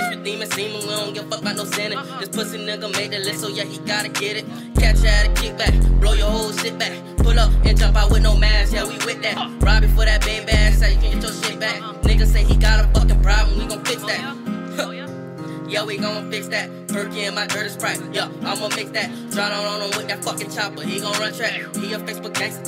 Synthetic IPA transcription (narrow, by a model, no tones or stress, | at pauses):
dĩmɨ̃sĩmə̃nwiõnɡɛt̚fʌk̚laɪnoʊsɛ̃nɨ̃d͡ʒ̥ʌspʰʊsɪ̃ŋnɪ̃ɡəmẽɪ̃nɨ̃lɪsoʊjæhiɡɑɾɨkʰɪɾɨt̚ | kʰæ̃t͡ʃɨaɾɨkʰɪk̚b̥ækb̥loʊjə˞hoʊlˠʃɪt̚b̥æk | pʊɾʌpɨ̃ntʰʌ̃paɪwədⁿnoʊmæsjɛwiwɪt̪̚ðæt̚b̥ɹ̥ɑbɨfʊɾðɨt̚b̥eɪbæsɛjɨkɨ̃nɡɛtʰoʊʃɪt̚b̥æk | neɪkɨseɪiɡɑɾə̃fʌkɨ̃nbɹabə̃nwiɡõʊ̃nfɪksðæt̚ | jæwiɡõʊə̃nfɪksðæt̚ | b̥ɜ˞kɪ̃ŋɨ̃nmaɪdɜ̃˞ɾɨsbɹaɪkjɛaɪɡõʊ̃nmɪk̚ðɨt̚d̥ɹãɪnə̃nə̃nə̃nwɪt̚ðɨtfʌkɨ̃ntʰɑp̚b̥ʌt̚hiɡõʊ̃nɹʌ̃ntʰɹ̥æk̚hijəfeɪsb̥ʊkʰæs